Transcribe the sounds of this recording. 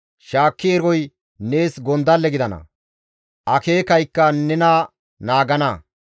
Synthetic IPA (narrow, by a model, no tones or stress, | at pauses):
ʃaːkːɪɛɾɔj | ne̞ːsɡɔnd̪ɐlːɛɡɪd̪ɐnɐ̰ | ʔɐke̞ːkɐjkːɐnɛna | naːɡɐnɐ